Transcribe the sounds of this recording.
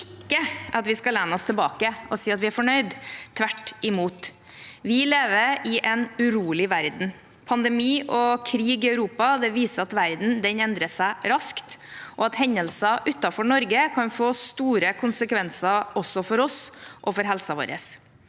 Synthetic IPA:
ɪkːəʔɑt̪ʋɪskɑlɛnəɔst̪ʰɛlbɑːkəɔsiːɑt̪ʋɪæɾfɔɳœʏd̪ʰʋæʈːɪmuːt̪ | ʋɪleːʋəɾɪʔɛnʉɾuːlɪʋæɾd̪n̩ | pʰɑnd̪ɛmiːʔɔkʰɾiːɡɪɑʉɾuːpɑd̪ɛʋiːsəɑt̪ʋæɾd̪n̩d̪ɛnɛnd̪ɾəsæɪɾɑskt̪ʔɔɑt̪hɛnːəlsɑʔʉt̪ːɑfɔɳɔɾɡəkʰɑnfoːst̪uːɾəkʰʊnsəkʰʋɛnsɑʔɔsːɔfɔɾɔsʔɔfɔɾɦɛlsɑʋo̰ːɾə̰s

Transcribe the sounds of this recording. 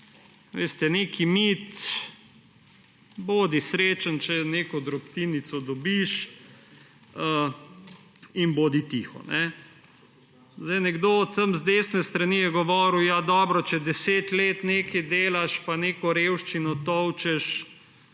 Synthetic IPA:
ʋḛːst̪ɛneːkimiːt̪ | boːd̪isɾeːt͡ʃant͡ʃɛneːkɔd̪ɾɔpt̪iːnit̪sɔd̪ɔbiʃ | ə | inboːd̪it̪iːxɔ̰nʔɛ | zd̪ɛjnɛɡd̪ot̪ːəmzd̪eːsnɛst̪ɾaniːjɛɡɔʋɔːɾuwjad̪ɔːbɾɔt͡ʃɛd̪ɛseːt̪leːt̪neːkɛd̪eːlaʃpaneːkɔɾewʃt͡ʃinɔt̪ɔwt͡ʃɛʃ

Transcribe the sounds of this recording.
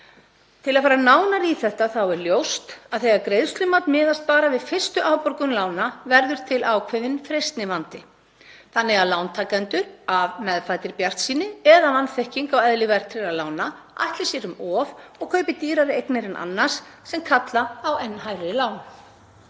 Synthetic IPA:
t̪ʰɪlaðfaːɾanaːwnaɾiθɛht̪aθawɛɾljowst̪aðθejakɾejðst̪lʏmat̪nmɪːðast̪̚paːɾavɪðfɪr̥st̪ʏʔaːwpɔɾkʏnlaːwnavɛɾðʏɾ̥t̪ʰɪlaːwkʰvɛðɪnfɾejst̪nɪvant̪ɪ | θanːɪɣaðlawnt̪ʰaːkant̪ʏɾavmɛðfajt̪ɪɾpjar̥t̪siːnɪɛðavanːθɛhciŋkawɛðlɪvɛr̥t̪ʰɾɪlaðlaːwna | ʔa̰jht̪lɪsjɛɾʏmɔːvɔɣkʰœːɥpɪt̪iːɾaɾɪejknɛɾɛnʔa̰nːḁssɛmkʰat̪laːwɛnːɦajɾɪlaːwn

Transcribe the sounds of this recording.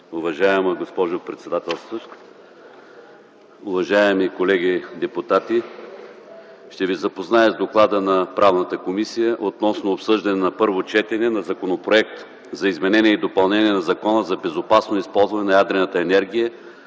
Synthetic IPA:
ʊvɐʒaɛməɡospɔʒʊpɾɛt̪sɛd̪at̪ɛlˠst̪vo | ʊvɐʒaɛmikolɛɡʲid̪ɛpʊt̪at̪i | ʃt̪ɛvizɐpoznaɛzd̪oklˠad̪ənɐpɾavnət̪əkomisijəʔot̪nɔsnoːpsɤʒd̪ɐnɛnɐpɤɾvot͡ʃɛt̪ɛnɛnɐzɐkonopɾoɛk̚t̪ | zɐizmɛnɛnʲiɛid̪opɐlˠnɛniɛnɐzɐkɔnəzɐbɛzopasnoispɔlˠzvɐnɛnɐjad̪ɾɛnət̪əɛnɛɾɡʲijə

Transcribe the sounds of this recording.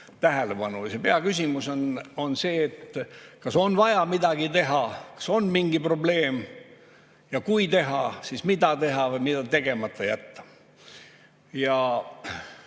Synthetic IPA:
t̪æɦe̞leb̥ɑnujsepeɑkysʲimusono̞nse̞ːt̪ːkɑso̞nvɑjɑmid̪̥ɑɡ̥it̪e̞ɦɑkɑ̥so̞nmiŋɡipro̞ble̞ːm | jɑkujt̪e̞ɦɑsismid̪ɑt̪e̞ɦɑvɤjmid̪̥ɑt̪e̞ɡ̥e̞mɑt̪ːˑɑjæ̰t̪ːɑ̥ | jɑ

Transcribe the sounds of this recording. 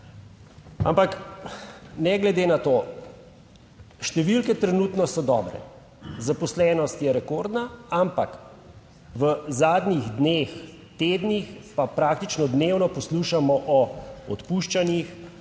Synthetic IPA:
a̰mpak | nɛɡlɛd̪eːnat̪oː | ʃt̪ɛʋilkɛt̪ɾɛnuːt̪nɔsɔd̪ɔ̰ːbɾɛ̰ | zapɔslɛnɔst̪jɛɾɛkoːɾd̪naampak | ʋəzaːd̪nʲiɣd̪nex | t̪eːd̪nixpapɾaːk̚t̪it͡ʃnɔd̪neːwnɔpɔsluːʃamɔʔɔɔ̰t̪puʃt͡ʃanix

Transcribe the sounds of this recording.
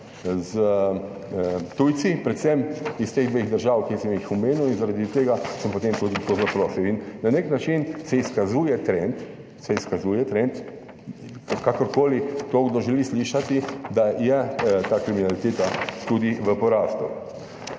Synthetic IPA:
zə | t̪ujt̪sipɾɛt̪sɛmist̪eːɣd̪ʋeɣd̪əɾʒawkisəmjixumeːnuwinzaɾad̪it̪eːɡasəmpot̪emt̪ud̪it̪ozapɾɔːsiwinnaneknat͡ʃinsɛiskazuːjɛt̪ɾɛnt̪ | sɛiskazuːjɛt̪ɾɛnt̪ | kakɔɾkoːlit̪oːɡd̪ɔʒɛlisliːʃat̪id̪ajɛt̪aːkɾiminalit̪eːt̪at̪ud̪iʋəpɔɾaːst̪ṵ

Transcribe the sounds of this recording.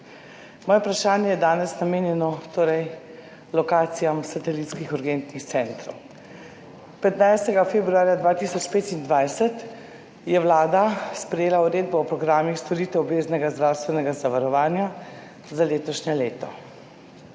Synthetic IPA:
mɔːjɛpɾaʃaːnjɛjɛd̪aːnɛsnameːnjɛnɔt̪oːɾɛj | lɔkaːt̪sijamsat̪ɛlit̪skixuɾɡent̪nixt̪sɛnt̪ɾɔw | pɛt̪najst̪ɛɡafebɾuaːɾjad̪ʋaːt̪isɔt͡ʃpeːt̪ind̪ʋajsɛt̪ | jɛwlaːd̪aspɾɛjeːlauɾeːd̪̚bɔɔpɾɔɡɾaːmixst̪ɔɾiːt̪ɛwɔbeːznɛɡazd̪ɾaːwst̪ʋɛnɛɡazaʋaɾɔʋaːnja | zaleːt̪ɔʃɲɛleːt̪ɔ̰

